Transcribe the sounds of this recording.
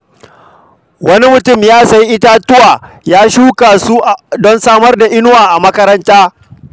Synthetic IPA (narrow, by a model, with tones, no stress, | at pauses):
wɐ˦ni˦mʊ˨tʊ˦˨mjaː˦sa˨jʔɪ˦ta˦tʊ˦waː˨jaː˦ʃuː˦kaː˨su˦ʔdɔ˦nsaː˦mɐ˦rda˨ʔɪ˦nʊ˦waː˨ʔa˨mɐ˦kɐ˦ɾɐ˦ntaː˦